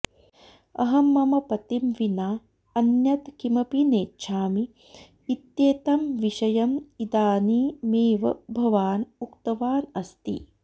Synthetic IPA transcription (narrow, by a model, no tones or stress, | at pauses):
ɐ̰ɦɐmːɐmɐpɐt̪imʋinaː | ɐnjɐt̪kimɐpineːtːʃʰaːmiː | t̪jeːt̪ɐmʋiʃɐjɐmid̪aːniːmeːʋɐ̰bʱɐʋaːnukt̪ɐʋaːnɐst̪ḭ